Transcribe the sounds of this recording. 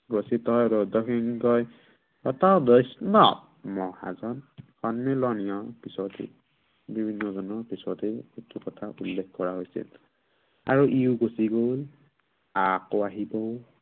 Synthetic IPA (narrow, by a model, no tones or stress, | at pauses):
ɡɔsitɔjɾɔdɔkiŋkɔj | ɔtadɔjsnɔ | mɔha̰zɔnxɔnmelɔnijɔpisɔtḛ | bibʱinːɔzɔnɔpisɔteetukɔtʰaʔṵlːekʰkɔɹaɦojsḭl | a̰ɹuʔiʊɡosiɡol | akoaɦibɔʊ